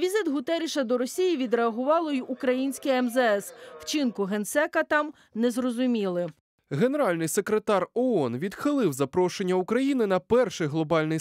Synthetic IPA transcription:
ʋʲizɪt̪ɦʊt̪ɛɾʲiʃɐd̪ɔɾɔsʲijiʋʲid̪ɾeɐɦʊʋɑlˠɔjiʔukɾɐjinʲsʲkɪjɛmzɛɛswt͡ʃɪnkʊɦensɛkɐt̪ɑm | nɛzrɔzʊmʲilˠɪ | ɦe̞ne̞ɾɑlʲnɪjse̞kɾet̪ɑrɔɔnʋʲid̪xɪlˠɪwzɐpɾɔʃenʲːɐukɾɐjinɪnɐpɛrʃɪjɦlˠɔbɑlʲnɪj

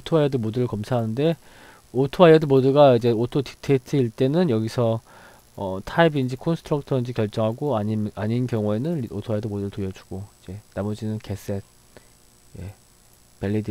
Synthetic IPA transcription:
otʰoajʌdɯmoduɾɯɭkʌmsʰaɦanɯnde̞ | otʰoajʌdɯmodɯɡaid͡ʑe̞otʰotʰi̥tʰetʰɯiɭt͈e̞nɯnjʌɡisʰʌ | ʌtʰaibind͡ʑikʰonsʰɯ̥tʰɾʌk̚tʰʌind͡ʑikjʌɭt͡ɕ͈ʌŋɦaɡoaiaɲinkjʌŋue̞nɯnio̰tʰoajʌdɯmodɯɾɯɭtojʌd͡ʑu̥ɡ̥oid͡ʑe̞namʌd͡ʑinɯnke̞s͈et̚ | je̞̰ | pe̞ʎːidi

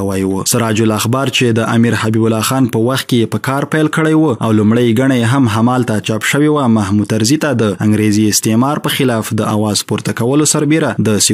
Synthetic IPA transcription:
wəjwəsaɾɑd͡ʒʊlaxbɑɾt͡ʃed̪əʔamiɾhabibʊlɑxɑnpəwaxt̪̚kejepəkɑɾpajlkəɽəjwua̰wlumɽəjɡaɳajeɦamɦamɑlt̪at͡ʃɑpʃəwewamaɦmut̪aɾzit̪ad̪əaŋɡɾeziɪst̪emɑɾpəxɪlɑfd̪əawɑzpoɾt̪akawəlosaɾbeɾad̪əsi

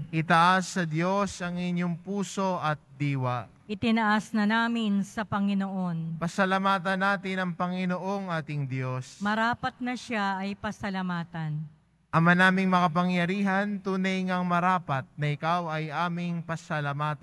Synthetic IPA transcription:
ʔɪt̪ɐʔasːɐd̪jo̞sɐŋɪɲjoŋpuːso̞ʔɐt̪̚d̪iːwɐ | ʔɪt̪ɪnɐʔasnɐnaːmɪnsɐpɐŋɪnoʔo̞npɐsɐlɐmaːt̪ɐnːaːt̪ɪnɐŋpɐŋɪno̞ʔo̞ŋʔaːt̪ɪŋd̪jo̞smɐɾaːpɐt̪̚nɐʃaɐjpɐsɐlɐmaːt̪ɐn | ʔɐmanaːmɪŋmɐŋɐp̬ɐŋjɐɾiːɦɐnt̪uːnɐjŋɐŋmɐɾaːpɐt̪̚nɐɪkawɐjʔaːmɪŋpɐsɐlɐmaːt̪

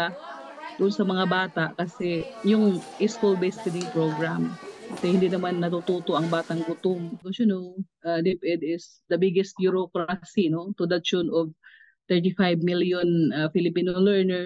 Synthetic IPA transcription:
a | d̪̥ʊʔʊnsɐmɐŋabaːt̪aʔkɐsɛjʊŋʔiskulbespɪd̪ɪŋpɹoɡɹamkɐsɛhɪnd̪inɐmanːɐt̪ut̪uːt̪oʔɐŋbaːt̪ɐŋɡʊt̪omɡoʃʊnowʔad̪ɛpʔɛd̪ɪs | d̪ɐbɪɡɛst̪̚bjʊɾokɾasinot̪ʊd̪ɐt͡ʃonov | t̪ɛɹt̪ifajbmiljonɐfɪlɪpiːnolɛɹnɛɹ

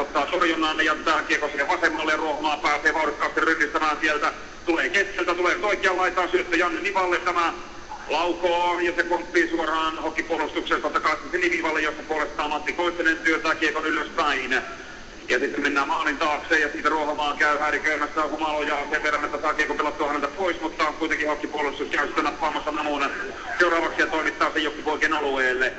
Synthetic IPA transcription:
ot̪ːɑːt̪orjonˑɑːnːejɑt̪æːkeˑːkosiheʋʋɑsemːɑlːejɑruohɑmɑːmpæːseːʋɑurikːɑːst̪irrynːist̪æmæːnsielt̪æ | t̪uleːkeskelt̪æt̪uleːnyt̪oikˑeɑllɑit̪ɑːsyøt̪ːøjɑnːeniʋɑlːent̪æmæ | lɑukoɑjɑsekompːiːsuorɑːnhokːipuolust̪ukseːnt̪ot̪ːɑkɑˑikːiseliʋiʋɑlːejost̪ɑpuolest̪ɑːmɑt̪ːikoisenent̪yøt̪æːkeːkonyløspæinæ | jɑsit̪ːemmenːæːmɑːlint̪ɑːkseːjɑsiːt̪æruohomɑːŋkæyhæːrikæymæsːæhumɑlojɑseʋʋerːɑnet̪ːæsɑːkeːkupelɑt̪ːuɑnænt̪æpoismut̪ːɑkuit̪eŋkihhokːipuolust̪uskæysi̥t̪ːænɑpːɑːmɑsːɑnɑmunɑ | seurɑːʋɑksijɑt̪oˑimit̪ːɑːsejokːipoikenɑlueːlːe

